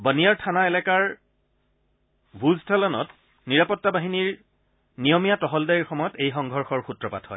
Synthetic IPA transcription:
bənijaɹtʰanaelɛkaɹ | bʱuztʰalɔnɔ̰t | niɹapɔtːabaɦiniɹ | nijɔmijatɔɦɔldajiɹxɔmɔjɔtejxɔŋɡʱɔɹxɔɹxutɹɔpa̰thɔ̰ɪ

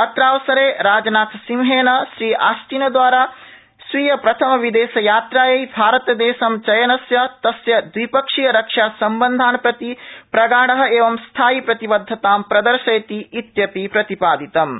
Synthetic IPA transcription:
ɐt̪ɾaːʋsɐɾeːɾaːd͡ʒɐnaːt̪ʰsimɦeːnɐʃɾiːʔa̰ːst̪iːnɐd̪ʋaːɾaː | sʋiːjɐpɾɐt̪ʰɐmɐʋid̪eːsɐjaːt̪ɾaːjejbʱaːɾɐt̪ɐd̪eːʃɐmt͡ʃɐjɐnɐsjɐt̪ɐsjɐd̪ʋipɐkʂijɐɾɐkʂaːsɐmbɐnd̪ʱaːnpɾɐt̪ipɾɐɡaːɽɐɦɐ̆eːʋɐmst̪ʰaːjipɾɐt̪ibɐd̪ʱːɐt̪aːmpɾɐd̪ɐɾʃɐjt̪iːt̪jɐpipɾɐt̪ipaːd̪it̪ɐm

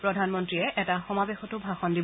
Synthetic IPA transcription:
pɹɔdʱanmɔntɹiɛʔɛtaxɔmabexɔtʊbʱaxɔndi

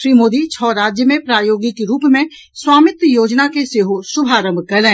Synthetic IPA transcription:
ʃɾiːmoːd̪it͡ʃʰɔːɾaːd͡ʒjəmẽpɾaːjoːɡɪkeɾuːpmẽ | swaːmɪt̪joːd͡ʒnakeseːɦosʊbʱaːɾə̃mbʱkɐlẽː

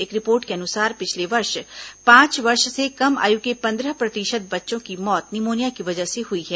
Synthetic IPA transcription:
eːkɾɪpoːɾʈkeɐnʊsaːɾpɪt͡ʃʰleʋɐɾʃpãːt͡ʃʋɐɾʃsekɐma̰ːjukepɐ̃nd̪ɾəɦpɾɐt̪ɪʃət̪̚bɐtːʃõkimɔːt̪nɪmoːnjakiʋɐd͡ʒəɦseɦʊiɦɛː

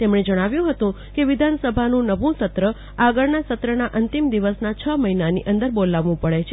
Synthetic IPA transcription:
t̪emɳed͡ʒəɽ̃aʋjũɦət̪ũ | keʋid̪ʱansəbʱanũnəʋʱũsət̪ɾə | aɡəɭnasət̪ɾənaʔənt̪imd̪iʋəsnat͡ʃʰəməɦinanḭʔənd̪əɾbolaʋʋũpəɭet͡ʃʰe

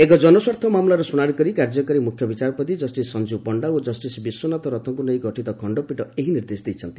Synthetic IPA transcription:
ekɔd͡ʒɔnɔsɔɾt̪ʰɔmamlaɾɔsunaɽikɔɾikaɾd͡ʒɔkɔɾimukʰjɔbit͡ʃaɾɔpɔt̪id͡ʒɔsʈisɔnd͡ʒibpɔɳɖaod͡ʒɔsʈisbisːunat̪ɔɾɔt̪ʰɔŋkunej̃ɡɔʈit̪ɔkʰɔɳɖɔpiʈɔeɦiniɾd̪esd̪ejt͡ʃʰɔnt̪i

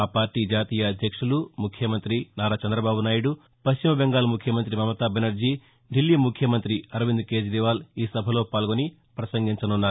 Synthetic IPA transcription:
aːpaːɾʈːiːd͡ʒaːt̪iːjɐːd̪ʱjɐkʂulumukʰjɐmɐnt̪ɾinaːɾaːt͡ʃɐnd̪ɾɐbaːbunaːjuɽu | pɐʃt͡ʃimɐbeŋɡaːlmukʰjɐmɐnt̪ɾimɐmɐt̪aːbenɐɾd͡ʒiː | ɖilːiːmukʰjɐmɐnt̪ɾiɐɾɐʋind̪ke̞ːd͡ʒɾiʋaːliːsɐbʱɐlo̞ːpaːlɡoni | pɾɐsɐŋɡiɲt͡ʃɐnunːaːɾuu

